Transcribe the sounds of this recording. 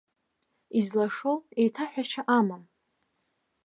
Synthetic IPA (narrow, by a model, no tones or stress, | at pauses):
izlaʂowejtʰaħʷᶣat͡ʃʰaʔamam